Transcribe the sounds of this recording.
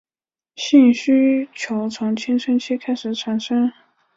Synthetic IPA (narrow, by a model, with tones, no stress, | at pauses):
ɕi˥˩ŋɕy˥t͡ɕʰjo˧˥ʊt͡sʰʊ˧˥ŋt͡ɕʰjɛ˥nʈ͡ʂʰə˥nt͡ɕʰɛ˥kʰa˥ɪʂɻ̩˨˩ʈ͡ʂʰa˨˥nʂɤ˥ŋ